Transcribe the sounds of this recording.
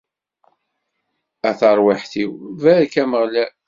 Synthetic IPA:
æθəɾˤwɪħθiwvækæməʁlæ

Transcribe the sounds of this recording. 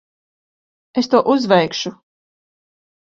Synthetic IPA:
est̪uɔʔuzvɛjkʃu

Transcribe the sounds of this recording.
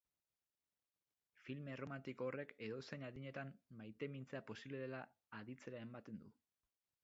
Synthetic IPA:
filme̞ro̞mant̪ikoore̞ke̞ðo̞senaðiɲe̞t̪ammajt̪e̞mint͡seapo̞siβle̞ðelaː | ðit͡se̞ɾae̞mbat̪e̞nd̪u

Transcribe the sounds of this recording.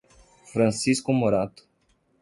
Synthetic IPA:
fɾansiskumoɾat̪

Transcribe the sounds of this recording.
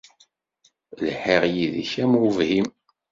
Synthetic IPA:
lħiʁjiðiçæmvhim

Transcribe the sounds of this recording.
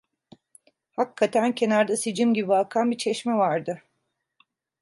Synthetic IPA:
hakʰːat̪ʰæncʰe̞naɾd̪asid͡ʒimɟibiakʰanbit͡ʃʰɛʃmɛvaɾd̪ɯ

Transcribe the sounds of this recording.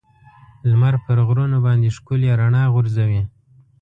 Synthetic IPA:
lmaɾpəɾɣɾunobɑnd̪eʃkuljaɾaɳɑɣʊɾzawi

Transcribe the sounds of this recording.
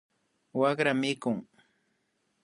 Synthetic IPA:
wakɾamɪkʊŋ

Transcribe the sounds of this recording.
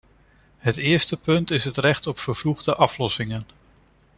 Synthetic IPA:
ɦətɪːɹstəpɵntɪsɦətrɛχtɔpfəɹvluχdəʔɑflɔsɪŋən

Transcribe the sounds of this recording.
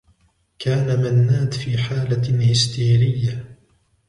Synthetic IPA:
kaːnamanːaːd̪fiːħaːlahɪst̪iːɾɪjːa

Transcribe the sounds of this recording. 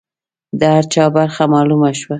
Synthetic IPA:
d̪əhaɾt͡ʃɑbaɾxamɑlumaʃwa

